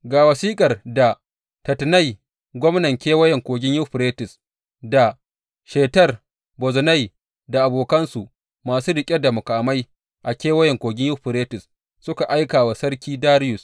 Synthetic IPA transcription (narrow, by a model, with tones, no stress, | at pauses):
ɡaː˨wɐ˨siː˦kʼɐ˨rda˨ | tɐ˨tna˦˨j | ɡʷɔ˦mnɐ˨ŋkʲeː˦wɐ˦jɛ˨ŋkʷoː˨ɡʲɪ˦ɲjʊ˦ɸɾeː˦tɪ˨s | da˨ | ʃeː˨tɐ˦r | bɔ˨zɔ˨na˦˨j | da˨ʔa˨boː˨kɐ˦nsu˨ʔ | maː˨suː˦dɪ˨kʲʼɛ˦da˨mʊ˨kaː˨ma˦j | ʔa˨kʲeː˦wɐ˦jɛ˨ŋkʷoː˨ɡʲɪ˦ɲjʊ˦ɸɪ˨ɾeː˦tɪ˨s | sʊ˦ka˨ʔa˦jkaː˨wa˨sɐ˦ɾkʲiː˦daː˦ɾɪ˦jʊ˨s